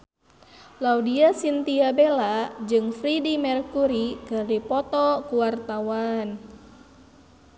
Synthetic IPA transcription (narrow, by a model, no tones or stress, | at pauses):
laudiasint̪iabelad͡ʒɨŋfɾidimɛrkuɾikərdipɔt̪ɔkuwart̪awan